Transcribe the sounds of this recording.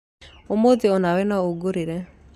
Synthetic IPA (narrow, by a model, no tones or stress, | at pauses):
omoðeɔnawɛnaoɡoɾeɾɛ